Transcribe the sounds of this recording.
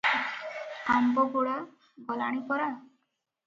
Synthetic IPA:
kambɔbuɽa | ɡɔla̰ɽ̃ipɔɾa

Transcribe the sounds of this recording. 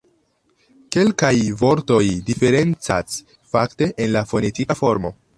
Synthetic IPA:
ke̞lkajvo̞ɾto̞jdife̞ɾe̞nt͡sa̰s | fakte̞ʔenlafo̞ne̞tikafo̞ɾmo̞̰

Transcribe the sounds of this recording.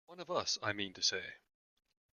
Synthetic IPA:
wʌ̃nʌvʌsaɪmĩntʰɨseɪ

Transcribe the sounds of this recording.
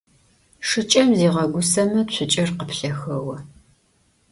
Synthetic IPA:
ʂɨt͡ʃʼɐmziːʁɐɡʷʊsɐmɐt͡ʃʷʰʊt͡ʃʼɐrqəpɬɐxɐwɐ

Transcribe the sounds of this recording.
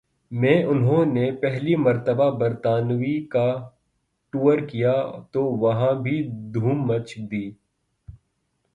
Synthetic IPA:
mɛ̃ːʔʊnɦõnepɛɦlimɐɾt̪əbabɐɾt̪aːnʋika | ʈuːəɾkijat̪oʋɐɦãbʱid̪ʱuːmːɐt͡ʃʰd̪iː

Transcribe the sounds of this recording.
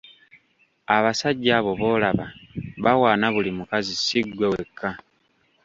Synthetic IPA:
aβasaɟːaːβo̞βo̞ːlaβaβawaːnaβulimukazisiɡwewe̞kʰːa

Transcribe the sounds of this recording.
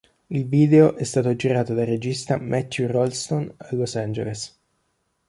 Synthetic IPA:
ilviːd̪eoʔɛst̪aːt̪od͡ʒiɾaːt̪od̪ared͡ʒist̪amɛt̪ːjurɔlst̪onalːosand͡ʒḛles

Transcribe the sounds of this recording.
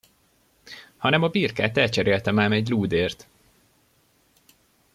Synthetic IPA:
hɒnɛmɒbiːrka̰ːt̪ɛlt͡ʃɛɾeːlt̪ɛmaːmɛɟluːd̪eːrt̪

